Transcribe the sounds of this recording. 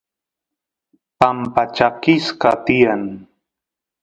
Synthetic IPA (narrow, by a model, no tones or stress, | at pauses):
pampat͡ʃakɪskat̪ɪjaŋ